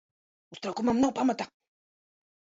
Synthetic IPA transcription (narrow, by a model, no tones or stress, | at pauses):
ust̪ɾakumamnapamatak̚